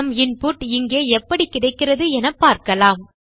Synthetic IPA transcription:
ɐmɪnpʊʈːɪŋɡeːɛpːɐɽikːɪɽɐɪkːɪrɐðɯɛnɐpːaːɾkɐlaːm

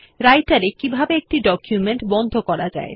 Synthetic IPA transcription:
ɾajʈaɾekibʱabeek̚ʈiɖɔkjumeɳʈbɔnd̪ʱokɔɾad͡ʑa̰e

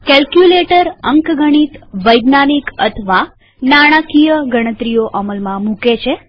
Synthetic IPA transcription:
kɛlkjuleʈəɾəŋkɡəɽ̃it̪ʋəjɡnanikət̪ʰʋa | naɽ̃akijəɡəɽ̃ət̪ɾijoʔəməlmãmũket͡ʃʰe

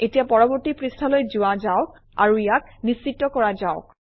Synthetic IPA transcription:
etijapɔɹɔbɔɹtipɹistʰɔlojzuazaʊk̚ | a̰ɹuijak̚nist͡ʃitːɔkɔɹazaʊk̚

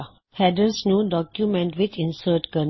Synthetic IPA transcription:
hɛdəsnjuːdɔkjumɛ̃nʈʋit͡ʃĩnsəʈkən

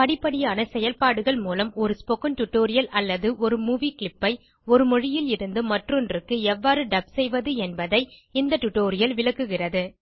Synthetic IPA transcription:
pɐɽɪpːɐɽɪjaːnɐsɛjɐlpaːɽɯɣɐɭmuːlɐmɔɾɯspɔkɯnʈʊʈːoːɾɪjɐlʔɐlːɐðɯʔɔɾɯmuːʋiːkɪɭɪpːɐɪ | ɔɾɯmɔɻɪjɪlɪɾɯnd̪ɯmɐʈrɔndrɯkːɯɛʋːaːɾɯɖɐb̚sɛjʋɐðɯɛnbɐðɐɪɪnd̪ɐʈːʊʈːoːɾɪjɐlʋɪɭɐkːɯɣɪrɐðɯ

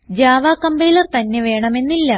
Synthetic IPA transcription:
d͡ʑaːʋaːkːɐmbejlɐrt̪ɐnːeʋe̞ːɳɐme̞nːilːɐ

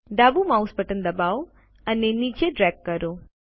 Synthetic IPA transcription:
d̪abumauspəʈənd̪əbaw | ənenit͡ʃeɖɾɛɡkːəɾo

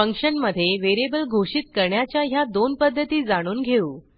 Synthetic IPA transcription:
pəŋkʂənməd̪ʱːjeʋeɾebəlɡʱoʂit̪̚kəɾɳjat͡ɕjaɦjad̪onpəd̪ʱːət̪iːd͡zaɽ̃uːnɡʱeuː

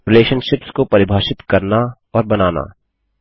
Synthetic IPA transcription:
ɪleːʃənʃɪpskopɐɾɪbʱaːʃɪt̪kɐɾna | ɔːɾbɐnaːna̰ː

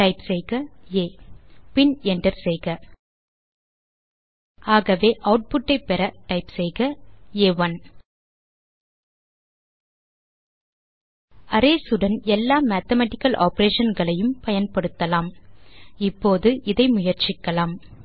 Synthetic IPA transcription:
ʈɐɪpsɛjɣɐeːpɪnɛnɖɐɾsɛjɣɐ | aːɣɐʋeːʔɐʊʈ̚pʊʈːɐɪpɛɾɐʈɐɪpsɛjɣɐeːʋɐn | ɐɾeːsɯɽɐnɛlːaːmæːt̪ɐmaːʈɪkːɐlʔa̰ːpɐɾeːʂɐnɡɐɭɐjɯmpɐjɐnpɐɽɯt̪ːɐlaːm | ɪpːoːðɯʔɪðɐɪmʊjɐɾt͡ʃɪkːɐlaːm

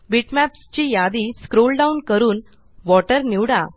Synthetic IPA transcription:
biʈmæpst͡ɕijad̪iskɾolɖaunkəɾuːn | ʋɔʈəɾniwɽa

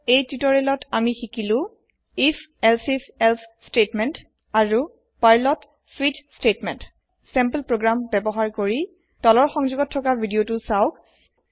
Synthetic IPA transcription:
ejtitɔɹɛlɔtʰamixikilʊ̃ | ifʰɛlsipʰɛlsstetmɛnt | aɹu | pajlɔt | switstetmɛnt | sɛmpəlpɹoɡɹambɛbɔɦaɹkoɹi | tɔlɔɹxɔŋzuɡɔtʰːɔkabʱidiotusaʊk

